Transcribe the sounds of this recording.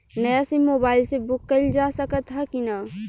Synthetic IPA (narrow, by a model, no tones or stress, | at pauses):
nəjasimːobaːɪlsebʊkːəld͡ʒasəkət̪ɦɛkina